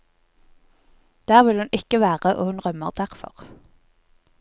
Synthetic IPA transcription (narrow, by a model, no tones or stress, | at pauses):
d̪̥æːʁʋɪlhʉnɪkəʋæːʁəʔo̰ːhʉnʁœməʁd̪æʁfɔ̰ʁ